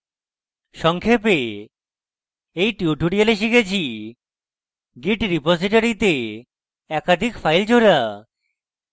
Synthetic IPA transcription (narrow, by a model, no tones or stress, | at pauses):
ʃɔŋkʰepe | ejʈiuʈuɽialeʃikʰet͡ɕʰi | ɡiʈɾipod͡ʑiʈoɾit̪e | ɛkad̪ʱikfajld͡ʑʱoɾa